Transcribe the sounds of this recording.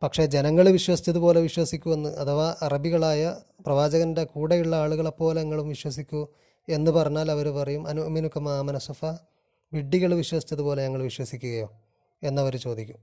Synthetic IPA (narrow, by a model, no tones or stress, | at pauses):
pɐkʂe̞ːd͡ʑe̞nɐŋːɐɭʋiɕwɐsi̥t͡ɕːɐðupo̞ːle̞ʋiɕwɐsikʲːuʋenːuʔɐt̪ʰɐʋaʔɐrɐbiɣɐɭaːjɐ | prɐʋaːd͡ʑɐɣɐnde̞kuːɽejuɭːɐaːɭuɣɐɭepːo̞ːleŋːɐɭumʋiɕwɐsikʲːu | e̞nːɨpɐrɐɲːaːlɐʋɐɾupɐrɐjumɐnuɐminukʰːɐmaːmɐnɐsufɐ | ʋiɖːiɣɐɭʋiɕwɐsi̥t͡ɕːɐðupo̞ːle̞ɲɐŋːɐɭʋiɕwɐsikʲːuɣɐjo̞ː | e̞nːɐʋɐɾut͡ɕo̞ːd̪ikʲːu̥m